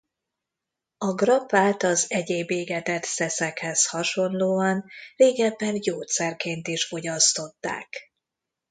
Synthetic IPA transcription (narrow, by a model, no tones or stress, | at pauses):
ɒɡrɒpaːt̪ɒzɛɟeːbeːɡɛt̪ɛt̪sɛsɛkhɛshɒʃo̞nloːɒnreːɡɛbːɛnjoːt̪sɛrkeːnt̪iʃfo̞ɟɒst̪o̞t̪ːa̰ːk